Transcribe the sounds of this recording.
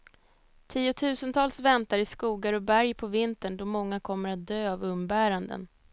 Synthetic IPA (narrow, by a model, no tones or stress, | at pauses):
t̪ʰiːʊt̪ʰʉ̟ːsənt̪ʰɑːlsvɛnt̪aɾɪskuːɡaɾɔbæɾjpʰɔvɪnt̪əɳɖ̪ɔmɔŋːakʰɔmːəɾat̪̚d̪øːavɵmbæːɾand̪ə̰n